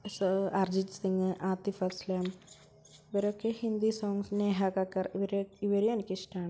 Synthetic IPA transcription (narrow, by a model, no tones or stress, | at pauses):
sɐrd͡ʑid͡ʑsiŋːɨʔaːt̪ːifɐslaːm | iʋɐɾokːehind̪isoːŋsneːɦɐkɐkːɐriʋɐɾiʋɐɾijenikʲːiʂʈaːɳɨ